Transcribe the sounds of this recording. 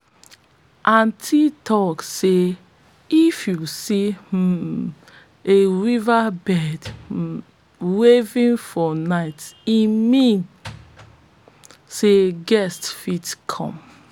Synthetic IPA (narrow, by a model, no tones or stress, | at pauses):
ʔãntʰitʰɔkse | ifjusi | eɹivabɛd | wevĩnfɔnaɪtimĩn | seɡɛstfitkʰɔ̰̃m